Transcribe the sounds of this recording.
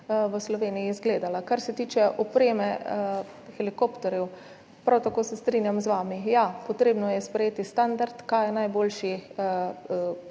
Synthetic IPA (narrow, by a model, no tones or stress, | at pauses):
ʋəslɔʋeːnijizɡleːd̪alakaɾsɛt̪iːt͡ʃɛʔɔpɾeːmɛ | xɛlikopt̪ɔɾjɛw | pɾawt̪akoːsɛst̪ɾiːnjamzʋaːmijapɔt̪ɾeːbnɔjɛspɾɛjeːt̪ist̪and̪aɾt̪kajɛnajboːlʃi